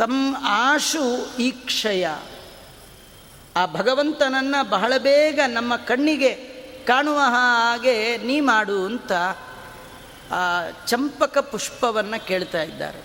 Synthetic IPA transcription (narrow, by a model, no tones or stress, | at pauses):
t̪ɐmaːʂuiːkʂɐjɐ̰ | aːbʱɐɡɐʋɐnt̪ɐnɐnːɐbɐɦɐɭɐbɛːɡɐnɐmːɐkɐɳːiɡekaːɳuʋɐɦɐaːɡeniːmaːɽuɐnt̪ɐ | t͡ʃɐmpɐkɐpuʂpɐʋɐnːɐkeːɭt̪aːjid̪ːa̰ːɾḛ